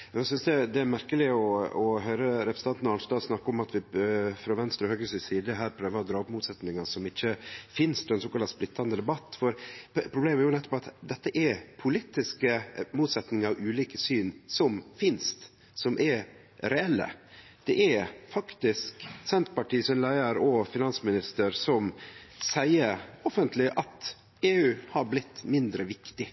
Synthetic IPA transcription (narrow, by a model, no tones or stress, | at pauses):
ɛsʏnsd̪ɛd̪ɛæɾmæɾkəlɪɔɔɦœʏɾəɾɛpɾəsn̩ɑnt̪nɑnst̪ɑːsnɑkːɔmɑt̪ʋɪfɾɑʋɛnst̪ɾɔhøːɡəsɪsiːd̪əɦæːɾpʰɾøːʋəɾɔd̪ɾɑːɔpmuːt̪sɛt̪nɪŋɑsɔmɪçːəfɪnst̪ʰɛnsoːkɑlːɑsplɪt̪ʰːɑnd̪əd̪ɛbɑt̪ːfɔɾpʰɾʊbleːmæɾjʊnɛt̪ːɔ̥pɑt̪d̪ɛt̪ːəʔɛɾpʰʊlɪt̪ːɪskəmuːt̪sɛt̪nɪŋɑɾʔʉːliːkəsyːnsɔmfɪnst̪ | sɔmʔɛɾ | ɾɛɛlːə̰ | d̪̥ɛʔɛɾfɑkt̪ɪsksɛnt̪pɑʈiːsɔnlæɪəɾɔfɪnɑnsmɪnɪst̪əɾsɔmsæɪəɾɔfənt̪ʰlɪʔɑt̪ | eːʉːhɑɾblɪt̪ːmɪnd̪ɾəʋɪkt̪ɪ